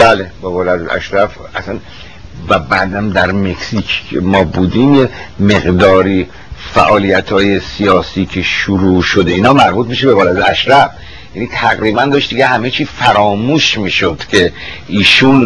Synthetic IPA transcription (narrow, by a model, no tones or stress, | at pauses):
bælebɒːbɒːlæd̪ʔæ̰ʃɾæf | æsæn | væbæːd̪æmd̪æɾme̞ksiːkʰmɒːbuːd̪iːmjeme̞ɣd̪ɒːɾiː | fæ̰ʔɒːlijæt̪ʰhɒːje̞sijɒːsiːkʰe̞ʃuɾuːʃo̞d̪eiːnɒːmæɾbuːt̪̚miʃebevɒːlæd̪eæʃɾæf | jænit̪ʰæɣɾiːbænd̪ɒːʃt̪d̪iɡehæmet͡ʃʰiːzfæɾɒːmuːʃmiːʃod̪̥cʲʰe̞ʔiːʃun